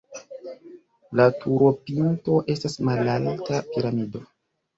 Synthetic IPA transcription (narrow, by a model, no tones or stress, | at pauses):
latʰuɾo̞pinto̞ʔe̞stasmalaltapiɾamido̞